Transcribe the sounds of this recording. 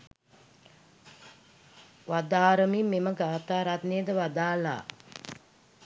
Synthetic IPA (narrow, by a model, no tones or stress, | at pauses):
ʋad̪aːɾəmimːeməɡaːt̪aːɾat̪nejəd̪əʋad̪aːla̰ː